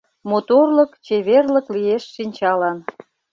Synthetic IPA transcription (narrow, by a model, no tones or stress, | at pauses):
mot̪orləkt͡ɕeβerləklieʃːinʲt͡ɕɑlɑn